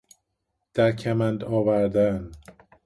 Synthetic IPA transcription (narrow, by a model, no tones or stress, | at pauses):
d̪̥æɾcʰæmænd̪ɒːvæɾd̪æn